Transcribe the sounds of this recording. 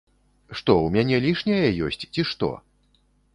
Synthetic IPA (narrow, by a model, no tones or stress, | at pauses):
ʂt̪ɔwmʲanʲɛlʲiʂnʲɐjɐjɔ̰sʲt͡sʲt͡sʲiʂt̪ɔ̰